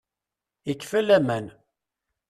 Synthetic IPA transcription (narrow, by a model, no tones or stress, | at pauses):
ikːfəlæmən